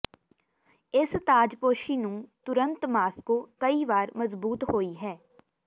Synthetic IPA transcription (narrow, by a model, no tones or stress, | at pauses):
ɪst̪aːd͡ʒpoːʃiːnũːt̪ʊɾə̃nt̪maːskoːkəiːʋaːɾməzbuːt̪hoːiːɦɛː